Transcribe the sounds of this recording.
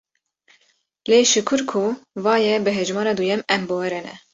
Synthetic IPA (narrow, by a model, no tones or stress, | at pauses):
leːʃɨkʰɨɾkʰuvɑːjɛbɨɦɛʒmɑːɾɑːd̪ujɛmɛmbowɛɾɛnɛ̰